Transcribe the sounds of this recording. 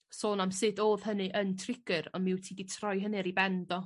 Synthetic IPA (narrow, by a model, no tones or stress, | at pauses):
soːnamsɨdoːð̥hənɨʔəntʰrɪɡ̥ɨɾɔnmɪwtʰiːditʰrɔjɦənɨɾibɛndɔ